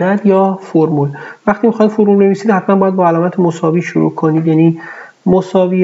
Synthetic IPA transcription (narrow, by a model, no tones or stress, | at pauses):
æd̪jɒːfoɾmulvæχt̪iːmixɒjd̪foɾmulne̞viːsiːd̪hæt̪ʰmænmbɒːjæd̪bɒːælɒːmæt̪ʰemosɒːviːʃuɾṵkʰoniːd̪jæniː | mosɒːviː